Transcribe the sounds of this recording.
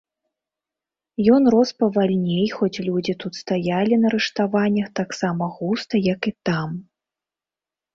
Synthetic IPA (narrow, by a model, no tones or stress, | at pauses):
jɔnrɔspɐvalʲnʲejxɔt͡sʲlʲud͡zʲit̪ut̪st̪ajalʲinɐɾɨʂt̪avanʲːɐxt̪aksamɐɣust̪ɐjɐkit̪am